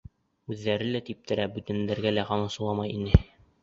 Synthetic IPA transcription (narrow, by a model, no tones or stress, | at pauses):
ʉðːæɾɘlæt̪ip̚t̪ʰɘ̆ɾæbʉt̪ænd̪æɾɡælæqɑnɤ̆sɤ̆lˠɑmɑjinɘ